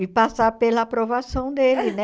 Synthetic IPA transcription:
ɪpasapelɐːpɾovasɐ̃w̃d̪elɪnɛ

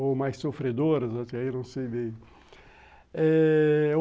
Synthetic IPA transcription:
omajssofɾed̪oɾɐzat̪ainɐ̃w̃sejbẽj̃ | ɛ

